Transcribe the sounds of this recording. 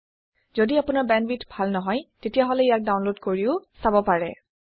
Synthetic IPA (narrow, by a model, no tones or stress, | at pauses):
zodiapʊnaɹbɛnbitbʱalnɔɦɔjtetijaɦɔlɛijak̚dawnlodkoɹiʊsabɔpaɹɛ̰